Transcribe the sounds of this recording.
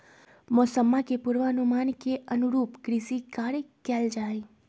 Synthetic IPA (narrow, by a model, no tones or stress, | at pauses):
mɔsəmːakepuɾʋəənumaːnkeənuɾuːpɡɾisikaɾekɛld͡ʒaːi